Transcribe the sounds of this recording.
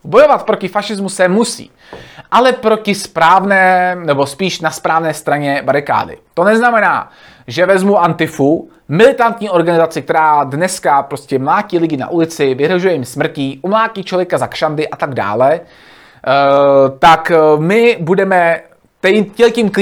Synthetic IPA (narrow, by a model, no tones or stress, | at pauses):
bo̞jo̞vat̪̚pɾo̞cɪfaʃɪzmusɛmusḭː | ʔalɛpɾo̞cɪspɾaːvnɛːnɛbo̞spiːʃnaspɾaːvnɛːst̪ɾaɲɛbaɾɪka̰ːdɪ̰t̪o̞nɛznamɛna̰ː | ʒɛvɛzmuʔant̪ɪfu | mɪlɪt̪ant̪ɲiːʔo̞ɾɡanɪzat͡sɪk̚t̪ɛɾaːdnɛskapɾo̞scɛmlaːciːlɪɟɪna̰ʔulɪt͡sɪvɪɦɾoʒujɛjɪmsmr̩ciːʔumlaːciːt͡ʃlovjɛkazakʃandɪʔat̪aɡda̰ːlɛ | t̪akmɪbudɛmɛ | t̪ɛcɛlciːmk